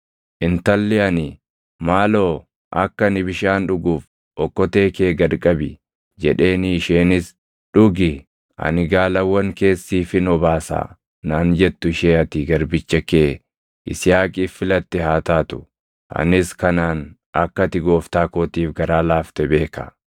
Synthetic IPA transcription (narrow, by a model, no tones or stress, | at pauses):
ʔɪnt̪ɐlːɛɐnɪ | maːloː | ʔɐ̰kːɐnɪbɪʃaːnᶑʊɡuːf | ʔɔkːɔt̪e̞ːke̞ːɡɐɾkʼɐbɪ | d͡ʒɛᶑe̞ːnɪːʃeːnɪs | ᶑʊɡɪ | ɐ̰nɪɡaːlɐwːɐŋke̞ːsːiːfɪnɔbaːsa̰ː | naːnd͡ʒɛt̪ːʊɪʃeːɐt̪ɪɡɐɾbɪt͡ʃːɐkeː | ʔɪ̰sɪjaːkʼiːfːɪlɐt̪ːɪɦaːt̪aːt̪ʊ̥ | ʔɐ̰nɪskɐnaːn | ʔɐkːɐt̪ɪɡo̞ːft̪aːkoːt̪iːfɡɐɾaːlaːft̪ɛbe̞ːkɐ̰